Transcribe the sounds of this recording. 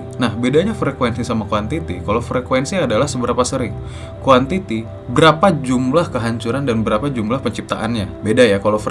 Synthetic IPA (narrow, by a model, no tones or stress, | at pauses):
nahbedaɲafɾekwɛnsisamakuant̪it̪ikalofɾekwɛnsiadalahsəbəɾapasəɾɪŋ | kwant̪it̪i | bəɾapad͡ʒumlahkəɦaɲt͡ʃuɾandanbəɾapad͡ʒumlahpəɲt͡ʃip̚t̪aʔanɲabedajakalaf